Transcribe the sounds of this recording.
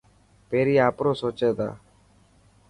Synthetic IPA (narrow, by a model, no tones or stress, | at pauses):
peːɾiːaːpɾoːsoːt͡ʃeːd̪a̰ː